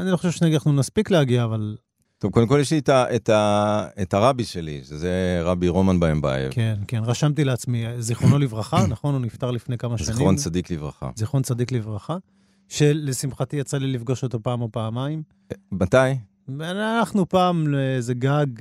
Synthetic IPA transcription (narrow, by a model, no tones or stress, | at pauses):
anilo̞χoʃevʃeneɡiaχnumaspikleaɡiaːval | t̪ovkod̪emkojeʃlietaʔet̪aetaʁabiʃelḭʃezeʁabiʁo̞manbaemba̰ḛvkʰenke̞nʁaʃamt̪ileat͡smiziχʁono̞livʁaχanaχo̞nunift̪aʁlifne̞jkamaʃzanχiʁont͡sad̪iklivʁa̰χa̰ziχo̞nt͡sad̪iklivʁaχa | ʃe̞lesimχat̪ijat͡salilifɡo̞ʃo̞t̪o̞paːmopaːmaim | bat̪aj | veananaχnupaːmezeɡaɡ